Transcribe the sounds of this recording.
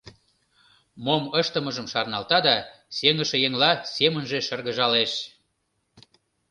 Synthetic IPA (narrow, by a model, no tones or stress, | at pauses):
moməʃt̪əməʒəmʃɑrnɑlt̪ɑd̪ɑ | seŋəʃĕjeŋlɑsemənʒeʃərɣəʒɑleʃ